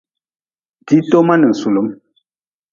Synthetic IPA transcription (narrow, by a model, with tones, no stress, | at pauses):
di˨˦to˦ma˦nə˨n̩˨su˨lə˨˦m